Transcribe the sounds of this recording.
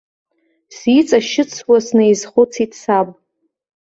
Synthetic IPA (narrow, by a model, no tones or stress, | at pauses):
sit͡sʼaʃɪt͡sʰwasnejzχʊt͡sʰitʰʼsapʼ